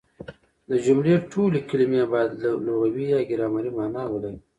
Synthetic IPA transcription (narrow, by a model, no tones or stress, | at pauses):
d̪əd͡ʒumleʈʰolikilimebɑjd̪ləloɣawijɑːɡɪɾɑːmaɾimɑːnɑːwəla